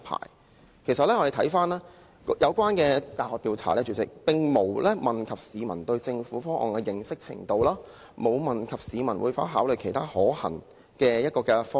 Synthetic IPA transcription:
pʰa̰ː˨˩j | kʰe˨˩js̬ɐ˨t̚lɛː˥ŋɔ˧de˨˧tʰɐ˨˥jfaː˥nlaː˥ | kjɐ˨˧wkʷaː˥nkɛː˧t̪aː˨˩hɔː˨k̚t̪iː˧wt͡sʰa̰ː˨˩lɛː˥t͡ʃyː˨t̚t͡sɪ̰˨k̚pɪ˨˧ŋmo˨˩wlɛː˥mɐ˨nkʰɐ˨p̚siː˨˧mɐ˨˩nt̪ɵ˧ɥt͡sɪ˧ŋfuː˨˥fɔː˥ŋʔɔ̰ː˨˩nkɛ˧jɪ˨ŋsɪ˥k̚t͡sʰɪ̰˨˩ŋt̪o˧wlaː˥ | mo˨˧wmɐ˨˩nkʰɐ˨p̚siː˨˧mɐ˨˩nwṵː˨˧jfaː˥ɦaː˨˥wlɵ˨ɥkʰe˨˩jt̪ʰaː˥hɔː˨˥hɐ̰˨˩ŋ | kɛː˧jɐ˥t̚kɔː˧kɛ˧fɔː˥

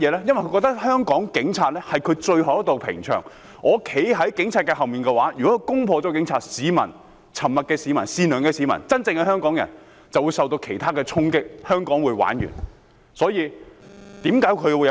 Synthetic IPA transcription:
jɛː˨˧lɛː˥jɐ˥nwjkʰkɔ˧k̚t̪ɐ˥k̚hœː˥ŋkɔː˨˥ŋkɪ˨˥ŋt͡sʰaː˧t̚lɛː˥hɐ˨jkʰɵ˨˧t͡ʃɵ˧ɥɦɐ˨wjɐ˥t̪o˨wpʰɪ̰˨˩ŋt͡ʃʰœ̰ː˨˩ŋ | ʔɔː˨˧kʰe˨˥jɦɐ˨˥jkɪ˨˥ŋt͡sʰaː˧t̚kɛː˧hɐ˨wmiː˨nkɛː˧waː˨˥jyː˨˩kɔ˨˥kːkʊ˥ŋpʰɔː˧t͡sɔː˨˥kɪ˨˥ŋt͡sʰaː˧t̚siː˨˧mɐ˨˩n | t͡sʰɐ˨˩mːɐ˨t̚kɛː˧siː˨˧mɐ˨˩nsiː˧nœː˨ŋkɛː˧siː˨˥mɐ̰˨˩nt͡sɐ˥nt͡sɪ˧ŋkɛ˧hœː˥ŋkɔː˨˥ŋjɐ̰˨˩n | t͡sɐ˨wuː˨˧jsɐ˨˧wt̪o˧wkʰe˨˩jt̪ʰaː˥kɛː˧t͡sʰʊ˥ŋkɪ˥k̚hœː˥ŋkɔː˨˥ŋwuː˨˧jwa̰ː˨˥njy̰ː˨˩n | sɔː˨˥jiː˨˧t̪iː˨˥mkaː˨˥jkʰɵ˨˧jwuː˨˧j

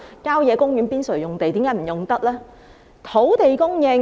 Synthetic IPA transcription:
kaː˥wjɛː˨˧kʊ˥ŋjyː˨˥npiː˥nsɵ˨˩ɥjʊ˨˩ŋt̪e˨jt̪iː˨˥mkaː˨˥jm̩˨˩jʊ˨˩ŋt̪ɐ˥k̚lɛː˥ | t̪ʰo˨˥wt̪e˨˩jkʊ˥ŋjɛː˧

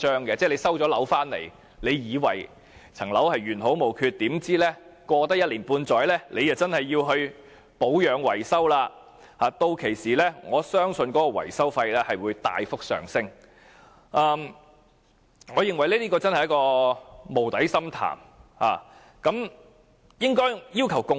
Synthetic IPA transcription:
t͡ʃœː˥ŋkɛ˧t͡sɛː˥˩le˨˧jsɐ˥wt͡ʃɔː˨˥lɐ˨˥wfaː˥nlḛ˨˩j | le˨˧jjiː˨˧wɐ̰˨˩j | t͡sʰɐ˨˩ŋlɐ˨˥whɐ˨jɥyː˨˩nɦo˨˥wmo˨˩wkʰyː˧t̚t̪iː˨˥mt͡siː˥lɛː˥kɔː˧t̪ɐ˥k̚jɐ˥t̚liː˨˩npuː˧nt͡sɔː˨˥jlɛː˥lʔe˨˧jɐ˨˩wt͡sɐ˥nhɐ˨jːiː˧wɦɵ˧ɥ | po˨˥wjœː˨˥ŋwɐ˨˩jsɐ˥wlaː˧ | haː˨t̪o˧wkʰe˨˩jsiː˨lɛː˥ŋɔː˨˧sœː˥ŋsɵ˧nkɔː˨˥kɔː˧wɐ̰˨˩jsɐ˥wfɐ˧jlɛː˥hɐ˨jwuː˨˧jt̪a̰ː˨jfʊ˥k̚sœ̰ː˨ŋsɪ˥ŋ | ʔɐː˧m | ŋɔː˨˧jɪ˨ŋwɐ˨˩jlɛː˥t̪iː˥k̬ɔː˧t͡sɐ˥nhɐ˨jɐ˥kɔː˧mo˨˩wt̪ɐ˨˥jsɐ˥mt̪ʰa̰ː˨˩mha̰ː˨˩ | kɐ˨˥m | jɪ˥ŋkɔː˥jjiː˥wkʰɐ˨˩wkʊ˧

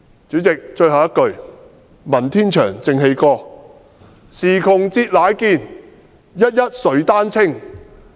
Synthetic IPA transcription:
t͡syː˨˥t͡sɪ˨k̚t͡ʃɵ˧ɥhɐ˨wjɐ˥t̚kɵ˧ɥ | mɐ˨˩nt̪ʰiː˥nt͡ʃʰœ̰ː˨˩ŋt͡sɪ˨ŋɦe˧jkɔː˧ | siː˨˩kʰʊ˨ŋt͡siː˧t̚laː˨˥jkiː˧n | jɐ˥t̚jɐ˥t̚sɵ˨˥ɥt̪aː˥nt͡sʰɪ˥ŋ

